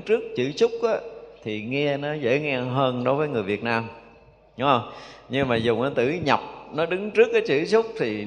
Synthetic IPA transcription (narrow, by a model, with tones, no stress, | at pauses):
t͡ɕɨ˦˥ək̚t͡ɕɨ̰˧˩t͡ɕʊ˦˥k͡p̚ʔaː˨˦t̪ʰi˨˩ŋɛ˧nɔ˨˦zḛ˧˥ŋɛ˧ɦəː˧nɗo˨˦jvəː˨˦jŋɨ˨˩əjvi˨˩ət̚naː˧m | ɗʊ˨˦ŋ͡mhə˧wŋ͡mɲɨ˧ŋmaː˨˩zʊ˨˩ŋ͡mʔaː˨˦t̪ɨ̰˧˩ɲa˨˩p̚nɔ˨˦ɗɨ˨˦ŋt͡ɕɨ˦˥ək̚ːaː˨˦jt͡ɕɨ̰˧˩t͡ɕʊ˦˥k͡p̚t̪ʰi˨˩